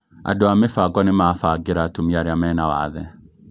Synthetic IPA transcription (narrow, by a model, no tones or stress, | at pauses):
a̰doamefaɡɔnemaːfaɡeɾatomiaɾeamɛːnawa̰ðɛ